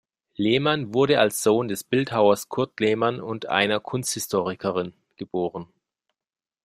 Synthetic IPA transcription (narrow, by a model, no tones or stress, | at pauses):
leːmanvʊɐɾəalsz̥oːndɛsb̥ɪlthaʊɐskʰʊɐtleːmanʊntʔa̰ɪnɐkʰʊnsthɪstʰoːʁɪkʰəʁɪn | ɡ̥əb̥oːʁ̞ən